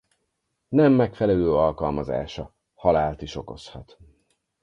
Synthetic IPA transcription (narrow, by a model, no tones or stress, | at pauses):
nɛmːɛkfɛlɛløːɒlkɒlmɒza̰ːʃɒ | hɒlaːlt̪iʃo̞ko̞shɒt̪